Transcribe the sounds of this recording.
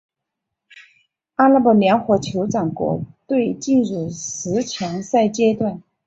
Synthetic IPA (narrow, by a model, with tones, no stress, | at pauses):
a˥la˥pɔ˥˩ljɛ˧˥nxwɔ˧˥t͡ɕʰjo˧˥ʊʈ͡ʂɑ˨˩ŋkwɔ̰˧˥t̪we˥˧ɪt͡ɕi˥˧nɻu˥˩ʂɻ̩˧˥t͡ɕʰjɑ˧˥ŋsa˥˩ɪt͡ɕjɛ˥t̪wa˥˩n